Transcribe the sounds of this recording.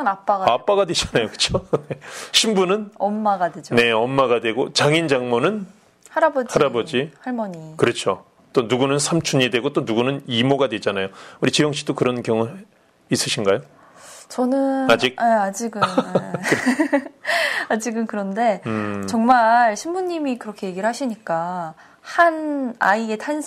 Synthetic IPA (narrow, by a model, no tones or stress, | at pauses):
anap͈aɡaap͈aɡadwe̞d͡ʑanajokɯ̥t͡ɕʰoneɕʰimbunɯnʌmːaɡadwed͡ʑone̞ʌmːaɡadwe̞ɡot͡ɕaŋind͡ʑaŋmonɯn | haɾabʌd͡ʑhaiɾabʌd͡ʑihaɭmʌɲikɯɾʌt͡ɕʰo | t͈onuɡunɯnsʰamt͡ɕʰuɲidweɡot͈onuɡunɯnimoɡadwe̞d͡ʑanajouɾit͡ɕijʌŋɕ͈i̥t͈okɯɾʌnkjʌŋu | is͈ɯɕʰinɡajo | t͡ɕʌnɯad͡ʑik̚ead͡ʑiɡɯ | ad͡ʑiɡɯnkɯɾʌnde̞t͡ɕʌŋmaɭɕʰimmuɲːimikɯɾʌkʰe̞je̞ɡiɭhaɕʰiɲik͈a | hanaie̞tʰans